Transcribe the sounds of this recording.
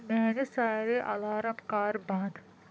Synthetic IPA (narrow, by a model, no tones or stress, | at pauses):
mɛːnesaːɾeʔɐlaːɾɐmkaːɾbãd̪